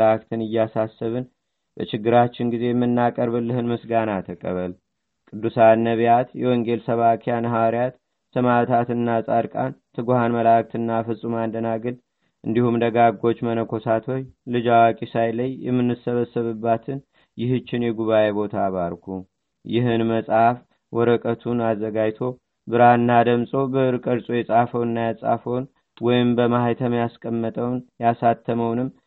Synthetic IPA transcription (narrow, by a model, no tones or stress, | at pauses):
ak̚t̪ʰɨnɨjːasasːəβɨn | bə̰t͡ʃɪɡːɨɾat͡ʃːɪnɡize̞jɛmːɨnːakʼəɾβɨlːɨhɨnmɨsɡanat̪ʰəkʼə̰βəl | kʼɨd̪ːusanːəβjat̪jɛwɔŋɡe̞lsəβakʰejanɦawaɾjat̪ː | ɨmat̪ʰat̪ɨnːasʼaɾkʼa̰nt̪ʰɨɡohanməlak̚t̪ʰɨnːafɨsʼumand̪ənaɡɨl | ʔɨnd̪ihumd̪əɡaɡːo̞t͡ʃːmənəkʰo̞sat̪ʰo̞jlɨd͡ʒawakʼisajləjjɛmːɨnːɨsːəβəsːəβɨbːat̪ʰɨn | jɪhɨt͡ʃːɪnjɛɡuβaje̞βo̞t̪ʰaβaɾkʰu | jɪɦɨnməsʼaf | wɔɾəkʼət̪ʰunazːəɡad͡ʒt̪ʰo̞ | bɨɾaɨnːad̪əmsʼo̞bəɨɾɨkʼəɾsʼojɛsʼafəwɨnːajasʼa̰fəwn | wɔjɪmbəmahajt̪ʰəmjaskʼəmːət̪ʼəwnjasat̪ʰːəməwnɨmː